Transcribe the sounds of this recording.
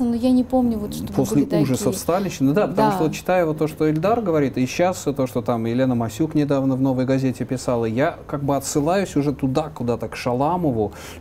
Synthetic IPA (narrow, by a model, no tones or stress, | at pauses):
nojanʲɪpomnʲʊvot̪ʂt̪po̞sʲlʲɪuʐəsəfst̪alʲɪɕːɪnəd̪apət̪ɐmuʂt̪əvot̪t͡ɕːɪ̥t̪ajʊvot̪ːo̞ʂt̪oɪlʲd̪arɡəvɐɾʲit̪ɨɕːast̪o̞ʂt̪ot̪amɪlʲe̞nəmɐsʲuknʲɪd̪avnəvno̞vəjɡɐzʲetʲɪpʲɪsalˠəjakaɡ̚bɨɐt̪sɨlˠajʊsʲʊʐɛt̪ʊd̪akʊd̪at̪əkʂɐlˠaməvʊ